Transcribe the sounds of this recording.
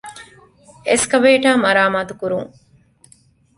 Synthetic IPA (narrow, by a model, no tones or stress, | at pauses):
eskɐʋeːʈaːmɐɾaːmaːt̪ukuɾuŋ